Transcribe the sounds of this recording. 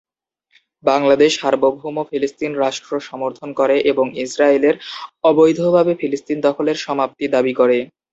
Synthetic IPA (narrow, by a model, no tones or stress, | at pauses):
baŋlad̪eʃhaɾbobʱomofilist̪inɾaʃʈɾoʃɔmoɾt̪ʰonkoɾeʔeboŋisɾaeleɾɔbojd̪ʱobʱabefilist̪ind̪ɔkʰoleɾʃɔmap̚t̪id̪abikoɾe